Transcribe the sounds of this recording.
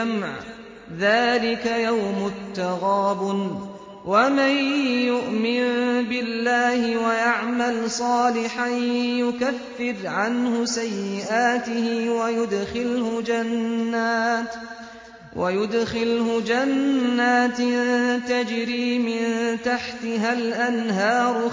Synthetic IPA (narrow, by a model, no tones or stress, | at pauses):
amʕ | ðaːlɪkajawmʊt̪ːɑɣɑːb | wamajjʊʔmɪnbɪlːaːhɪwajaʕmalsˤɑːlɪħanjʊkaθːɪɾʕanhʊsajːɪʔaːt̪ɪhɪwajʊd̪xɪlhʊd͡ʒanːaːt̪ | wʔajʊd̪xɪlhʊd͡ʒanːaːt̪t̪ad͡ʒɾiːmɪnt̪aħt̪ɪɦalʔanɦɑːɾˤ